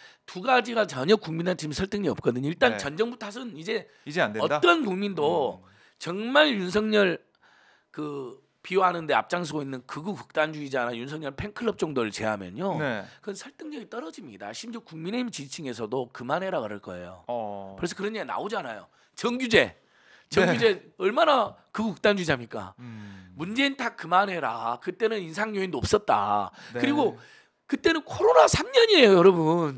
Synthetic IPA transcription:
tuɡad͡ʑiɡat͡ɕʌɲʌk͈uŋminet͡ɕimsʰʌɭt͈ɯŋɲiʌp̚k͈ʌdɯɲiɭt͈ant͡ɕʌnd͡ʑʌŋbutʰas̬ʰɯnid͡ʑe̞ | nʌt͈ʌnkuŋmindo | t͡ɕʌŋmaɭjuns̬ʰʌŋɲʌɭ | kɯ | pioɦanɯnde̞a̰p̚t͡ɕ͈aŋsʰɯɡoinːɯnkɯɡukɯ̥k̚t͈and͡ʑuid͡ʑianajunsʰʌŋɲʌɭpʰe̞ŋkʰɯɭːʌp̚t͡ɕ͈ʌŋdoɾɯɭt͡ɕe̞ɦamjʌnonekɯʌnsʰʌɭt͈ʰɯŋɲʌɡit͈ʌɾʌd͡ʑimɲida̰ɕʰimd͡ʑʌkuŋmine̞imt͡ɕit͡ɕʰiŋe̞sʰʌdokɯmanɦe̞ɾaɡaɾɯɭk͈ʌ̰e̞̰jo̰ɯɾesʰʌkɯɾʌɲana̰od͡ʑanajo̰ | t͡ɕʌŋɡjud͡ʑe̞ | t͡ɕʌŋɡud͡ʑe̞ʌɭmanakɯɡkɯk̚t͈and͡ʑuid͡ʑamɲik͈a̰mund͡ʑe̞intʰak̚kɯmanɦe̞ɾakɯt͈e̞nɯninsʰaŋɲoeindop̚s͈ʌt̚t͈a̰kɯɾiɡo | kɯt͈e̞nɯnkʰoɾonasʰamɲʌɲiejojʌɾʌbun

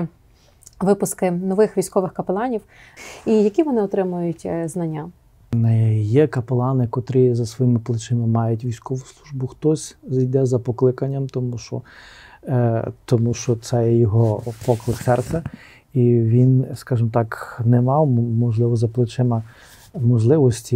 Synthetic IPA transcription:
ʋɪpʊskɪnɔʋɪxʋʲijsʲkɔʋɪxkɐpelˠɑnʲiw | ijɐkʲiʋɔnɪɔt̪ɾɪmʊjʊtʲznɐnʲːa | jɛkɐpelˠɑnɪkɔt̪ɾɪzɐsʋɔjimɪplˠɪt͡ʃɪmɪmɑjʊtʲʋʲijsʲkɔʋʊslˠuʒbʊxt̪ɔsʲzijd̪ɛzɐpɔklˠɪkɐnʲːɐmt̪ɔmuʃt͡ʃɔ̰ | t̪ɔmuʃt͡ʃɔt̪sɛjɛjɔɦɔpɔklˠɪksɛrt̪sɛ | iʋʲinskɑʒɪmɔt̪ɑknɛmɑwmɔʒlˠɪʋɔzɐplˠɪt͡ʃɪmɐ | mɔʒlˠɪʋɔsʲtʲi

